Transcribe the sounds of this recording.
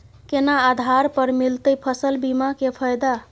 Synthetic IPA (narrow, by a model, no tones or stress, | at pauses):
kenaːd̪ʱaɾpəɾmilt̪əjpʰəsəlbimakepʰəjd̪a